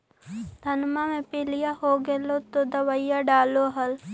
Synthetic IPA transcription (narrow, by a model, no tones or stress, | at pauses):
d̪ʱɐnmamẽpɪlɪjaɦoɡelot̪od̪ɐʋaijaɖaːloɦɐl